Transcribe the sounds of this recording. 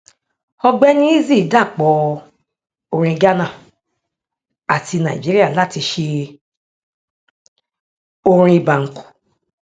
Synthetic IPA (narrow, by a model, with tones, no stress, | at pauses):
ɔ˧ɡ͡bɛ˦nĩ˦i˦zi˦˨da˦˨k͡pɔ˨˦ | o˧ɾ̃ĩ˧ɡa˦nã˦˨ | a˨ti˧nã˨ḭ˨d͡ʒi˨˦ɾi˦a˦˨la˦˨ti˧ʃe˧ | o˧ɾ̃ĩ˧i˨ba˨ŋ̩˨ku̥˨